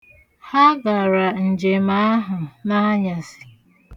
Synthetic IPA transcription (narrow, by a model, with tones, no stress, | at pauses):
ha˦ɡa˨ɾa˨n̩˨d͡ʒe˨ma˦a˦ɦʊ˨na˦ɲa˨sɪ̥˨